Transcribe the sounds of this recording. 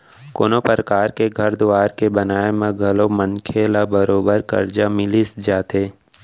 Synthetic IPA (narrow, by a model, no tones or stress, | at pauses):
koːnopɾəkaːɾkeɡʱɐɾd̪ʊʋaːɾkebɐnaːemẽɡʱɐlomənkʰeːlabɐɾoːbəɾkɐ̰ɾd͡ʒamɪlisd͡ʒaːt̪eː